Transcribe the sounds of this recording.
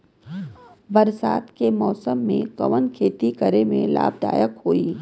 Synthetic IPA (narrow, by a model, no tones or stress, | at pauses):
bɐɾsa̰ːt̪kemɔːsəmːẽkɐ̰ʋənkʰeːt̪ikəɾemḛ̃la̰ːb̚d̪a̰ːjəkɦoːiː